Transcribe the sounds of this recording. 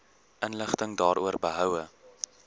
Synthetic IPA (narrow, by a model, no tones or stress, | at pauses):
ʔənləχtəŋdɑːɾuərbəɦœwə